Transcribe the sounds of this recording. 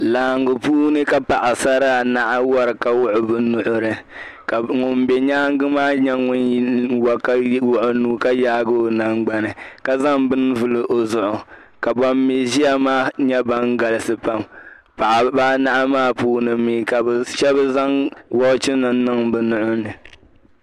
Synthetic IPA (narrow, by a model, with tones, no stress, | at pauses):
laː˨ŋɡʊ˨puː˦nɨ˦ka˦pa˨ʔa˨sa˦ɾa˦˨na˦ʔa˦wa˦ɾɨ˨ka˨wʊ˦ʔʊ˨bɨ˦nʊ˨ʔʊ˦ɾɨ˨ | ka˨ŋʊ˨mbɛ˨ɲaː˦ŋ˦ɡɨ˦maː˦ɲɛ˦ŋʊ˦n˦wa˨ka˦wʊ˦˨ʔʊ˦nuː˦ka˦jaː˦ɡo˦˨na˨ŋɡ͡ba˨nɨ˨ka˨za˦ŋbɨ˦n˦vɨ˦lɨ˨ʔo˨zʊ˨ʔʊ˨ | ka˨ba˦mːi˨zi˦a˦maː˦ɲɛ˦ba˦ŋɡa˨lɨ˦sɨ˨pa˨m | pa˨ʔa˨baː˦na˦ʔa˦maː˦puː˦nɨ˨˦mi˦ka˨bʃɛ˦bɨ˦za˦ŋwɔ˦t͡ʃɪ˦nɨ˨˦nɨ˦ŋbɨ˨nʊ˨ʔʊ˦nɨ˨